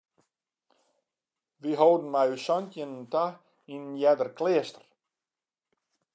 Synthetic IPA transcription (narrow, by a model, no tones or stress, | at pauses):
ʋiɦowdn̩majysɔntjənənta | innjɛdərkleəstə̥r